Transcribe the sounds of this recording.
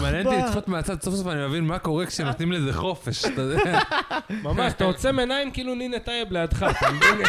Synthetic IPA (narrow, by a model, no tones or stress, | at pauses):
manent̪iit͡sχot̪meat͡sad̪sofsofanimevinmako̞ʁekʃenot̪nimlezeχo̞feʃat̪ad̪eamamaʃat̪aot͡semenaimkiiːluninet̪ajeblejad̪χatldin